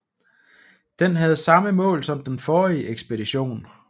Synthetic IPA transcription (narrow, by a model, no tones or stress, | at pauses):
d̥enɦæð̞̩ˠsɑ̈məmɔ̰̽ːlsɒ̽md̥enfɒːieɡ̥sb̥e̝diɕo̝̰ːn